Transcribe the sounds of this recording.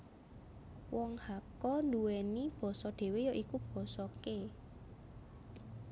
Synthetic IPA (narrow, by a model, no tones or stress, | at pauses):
wɔŋhakɔnduwenib̥ɔ̤sɔɖ̪̥e̤wejɔʔikub̥ɔ̤sɔke